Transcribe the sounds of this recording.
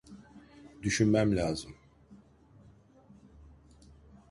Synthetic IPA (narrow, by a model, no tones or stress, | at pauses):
d̪yʃynmæmlʲaːzɯm